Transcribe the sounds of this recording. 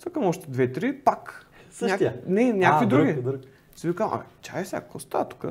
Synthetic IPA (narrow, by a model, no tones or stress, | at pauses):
sakamɔʃt̪ɛd̪vɛt̪ɾipak | sɲak̪nɛnʲakvid̪ɾuɡʲi | sivikaʔa̰t̪ʰʲa̰ɛfsʲja̰kkəost̪at̪kə̰